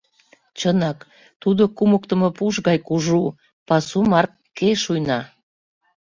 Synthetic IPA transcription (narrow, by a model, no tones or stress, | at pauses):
t͡ɕənɑk | t̪ud̪okumək̚t̪ə̆mopuʃɣɑjkuʒu | pɑsumɑrkː | keʃujnɑ